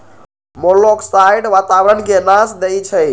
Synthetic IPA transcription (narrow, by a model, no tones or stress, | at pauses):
moloksaiɖʋaːt̪aʋɾənkenãsd̪eit͡ʃʰəj